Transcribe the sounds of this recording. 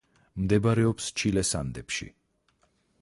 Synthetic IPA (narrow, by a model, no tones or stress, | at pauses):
md̪ɛbaɾɛɔpst͡ʃʰilɛsa̰nd̪ɛpʃḭ